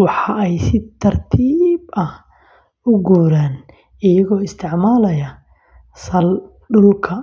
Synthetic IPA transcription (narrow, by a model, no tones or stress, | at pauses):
wɑħɑɛjsɪt̪ʰɐrt̪ʰiːbɐh | ʊɡuːɾaːn | ɪjɐɣɔːɪst̪ʰɪʕmaːlɐjɐ | sɐl | ɖʊlkʰɐ